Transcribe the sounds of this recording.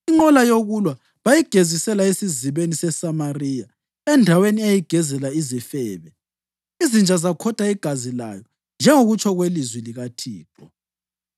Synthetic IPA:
iŋ͡ǃɔlajoɣulwa | βajiɡ̥ʱezisɛlaesiziβenisɛsamarija | ɛndʱaweniejiɡ̥ʱɛzɛlaizifɛːβɛ | izind͡ʒʱazakʰɔtʰʼaiɡ̥ʱazila̰jɔ | nd͡ʒʱɛŋoɣut͡ʃʰɔɣwelizwiliɣatʰiːǁɔ

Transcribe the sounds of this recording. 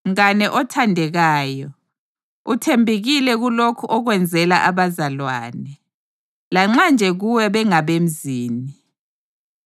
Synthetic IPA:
m̩ɣanɛʔɔtʰandʱɛɣaːjɔ | utʰembʱiɣilɛɣulokʰuʔɔɣwɛnd͡zʱɛlaʔaβazalwa̰ːnɛ | laŋ͡ǁand͡ʒʱɛɣuwɛβɛŋaβem̩ziːni

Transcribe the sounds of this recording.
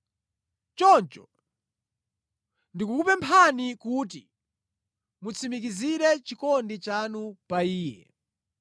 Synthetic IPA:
t͡ʃɔnt͡ʃɔ | ndikukupɛmpʰanikut̬i | mut͡sʰimik̬iziɾɛt͡ʃikɔndit͡ʃanupaiːjɛ̰

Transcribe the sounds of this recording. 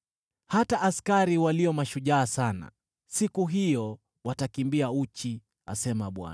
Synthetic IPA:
hataʔːskaɾiwaliɔmaʃuʄaːsana̰ | sikuɦijɔ | watakimbiaut͡ʃi | a̰sɛmaɓwa̰na

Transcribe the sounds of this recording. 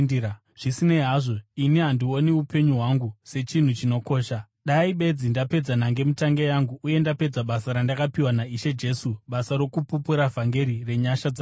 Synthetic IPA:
ʐ̥isineɦaʐo̞iniɦandio̞niupe̞ɲuɦwaŋɡuse̞t͡ʃin̤ut͡ʃino̞ko̞ːʃa | ɗaiɓe̞d͡zindape̞d͡zanaŋɡe̞mutaŋɡejaŋɡuʔːje̞ndape̞d͡zaɓasaɾandakapiwanaiʃe̞d͡ʒe̞suɓasaɾo̞kupupuɾavʱaŋɡe̞ɾire̞ɲaʃad͡za

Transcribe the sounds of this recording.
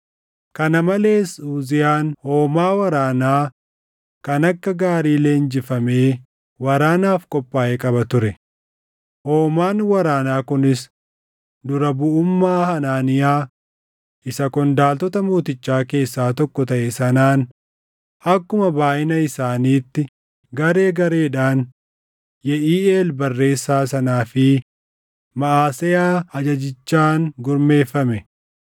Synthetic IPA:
kɐnɐmɐle̞ːsuːzɪjaːnhoːmaːwɐɾaːnaː | kɐnɐkːɐɡaːɾiːle̞ːnd͡ʒɪfɐmeː | wɐɾaːnaːfkʼɔpʼːaːʔɛkʼɐbɐt̪ʊɾɛ | hoːmaːnwɐɾaːnaːkʊnɪs | d̪ʊɾɐbʊʊmːaːhɐnaːnɪjaː | ʔɪsɐkɔnd̪aːlt̪ɔt̪ɐmuːt̪ɪt͡ʃːaːke̞ːsːaːt̪ɔkːɔt̪ɐʔɛsɐnaːn | ɐkːʊmɐbaːʔɪnɐɪsaːniːt̪ːɪ | ɡɐɾe̞ːɡɐɾe̞ːᶑaːn | jɛʔiːeːlbɐrːe̞ːsːaːsɐnaːfɪ | mɐʔaːsɛjaːɐd͡ʒɐd͡ʒɪt͡ʃːaːnɡʊɾme̞ːfːɐmɛ

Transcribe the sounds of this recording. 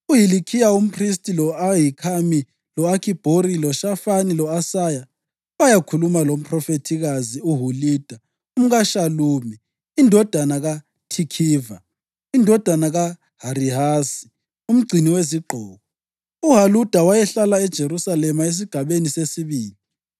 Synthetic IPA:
uɦilikʰijaum̩pʰristʼilɔaɦikʰami | lɔakʰib̥ʱoɾilɔʃafanilɔasaja | wajakʰulumalom̩pʰʼrɔfetʰiɣaziuɦuliːd̥ʱa | um̩ɣaʃaluːmɛ | indʱɔd̥ʱanaɣa | tʰikʰiːva | indʱɔd̥ʱanaɣa | ɦaɾiɦaːsi̥ | um̩ɡ͡ǀʱiniweziɡ͡ǃʱɔːɣɔ | uɦalud̥ʱawajɛɬalaɛd̥ʒ̥ʱeɾusalɛmaes̬iɡ̥ʱaβenisesiβiːli

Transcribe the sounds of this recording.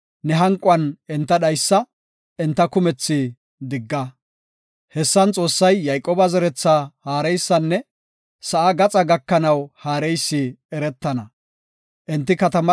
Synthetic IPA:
nɛɦɐŋkʼʊɐnɛnt̪ːɐɗɐjsːɐ | ɛnt̪ːɐkʊmɛt͡sːɪ | d̪ɪɡːɐ | hɛsːɐnt͡sʼo̞ːsːɐjːɐjkʼoːbɐzɛɾɛt͡sːahaːɾɛjsːɐnːɛ | sɐʔɐɡɐt͡sʼɐɡɐkːɐnɐwhaːɾɛjsːɪɛɾɛt̪ːɐnɐ | ʔɛnt̪ːɪkɐt̪ɐmɐ

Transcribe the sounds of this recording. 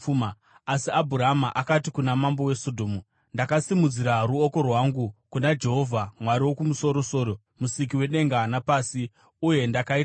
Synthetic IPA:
m | asiabʱuɾamaʔakatikunamambo̞we̞so̞dʱo̞ːmu | ndakasimud͡ziɾaruo̞ko̞rwaŋɡukunad͡ʒe̞ɦo̞vʱamwaɾiwo̞kumuso̞ɾo̞so̞ːɾo̞ | musik̬iwe̞ɗe̞ŋɡanapaːsi | uje̞ndakait

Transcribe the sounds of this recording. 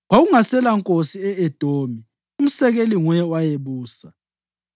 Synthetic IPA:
ɣwaɣuŋasɛlaŋkʼosiɛɛd̥ʱoːmi | um̩sɛɣeliŋwɛwajeβuːsa

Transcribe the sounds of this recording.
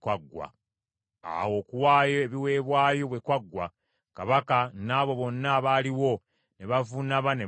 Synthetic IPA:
kwaɡːwa̰ | a̰wo̞kuwaːjoeβiwe̞ːβwaːjo̞βwe̞kwaɡːwa | kaβakanaːβo̞βo̞nːaβaliwo̞ | ne̞βavunaβane

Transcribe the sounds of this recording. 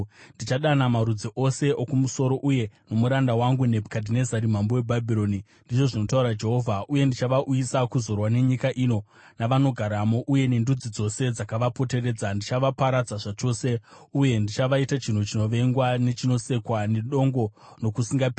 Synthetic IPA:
ndit͡ʃaɗanamaɾud͡ziʔo̞se̞okumuso̞ɾo̞ʔuje̞no̞muɾandawaŋɡunebʱkadʱinezaɾim̤ambowebʱabʱiɾo̞ni | ndit͡ʃo̞ʐino̞tauɾad͡ʒe̞ɦo̞vʱaʔuje̞ndit͡ʃaʋaʔujisakuzo̞rwane̞ɲikaʔino̞ | naʋano̞ɡʱaɾamoʔuje̞ne̞ndud͡zid͡zo̞se̞d͡zakaʋapo̞te̞re̞d͡zandit͡ʃaʋapaɾad͡zaʐat͡ʃo̞se̞uje̞ndit͡ʃaʋaitat͡ʃin̤ut͡ʃino̞ʋe̞ŋɡwanet͡ʃino̞se̞kwaneɗo̞ŋɡo̞no̞kusiŋɡap

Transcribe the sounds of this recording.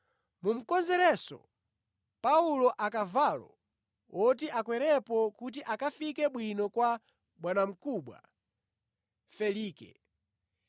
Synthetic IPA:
mum̩kɔnzɛɾɛsɔ̰ | paulɔʔakavaːlɔ̰ | ɔt̬iʔakwɛɾɛpɔkut̬iʔakafikɛɓwinɔkwa | ɓwanam̩kuːɓwa̰ | fɛliːkɛ̰

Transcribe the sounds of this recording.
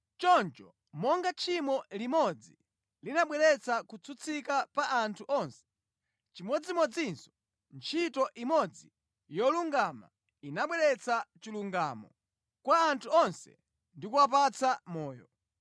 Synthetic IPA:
t͡ʃɔnt͡ʃɔ | mɔŋɡat͡ʃʰimɔlimɔd͡zi | linaɓwɛɾɛt͡sʰakut͡sʰut͡sʰikapaʔːntʰuʔɔnsɛ̥ | t͡ʃimɔd͡zimɔd͡zinsɔ̥ | nt͡ʃʰitɔʔimɔd͡zi | jɔluŋɡama̰ | inaɓwɛɾɛt͡sʰat͡ʃiluŋɡa̰ːmɔ | kwaːntʰuɔnsɛ̰ | ndikuap̬at͡sʰamɔːjɔ

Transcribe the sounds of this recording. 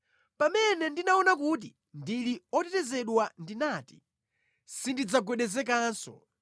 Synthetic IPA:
pamɛnɛndinaɔnakut̬i | ndiliɔtɛtɛzɛɗwandinaːti̥ | sindid͡zaɡwɛɗɛzɛk̬aːnsɔ̰

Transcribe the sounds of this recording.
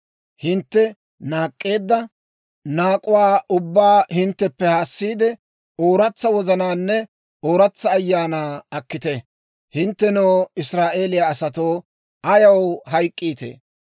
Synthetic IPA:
hɪnt̪ːɛ | naːkʼːe̞ːd̪ːɐ | naːkʼʊwaːʔʊbːaːhɪnt̪ːɛpːɛhaːsːiːd̪ɛ | oːɾɐt͡sːɐwɔzɐnaːnːɛ | oːɾɐt͡sːɐːjːaːnaːɐkːɪt̪ɛ | hɪnt̪ːɛnoːɪsɾaːʔe̞ːlɪjaːsɐt̪o̞ː | ʔɐjɐwɦɐjkʼːiːt̪ḛː

